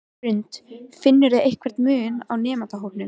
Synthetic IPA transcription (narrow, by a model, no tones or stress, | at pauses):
ɾʏnt̪fɪnːʏɾðɪejhkʰvɛɾ̥t̪mʏːna̰wnɛːmat̪aɦowp̪nɪ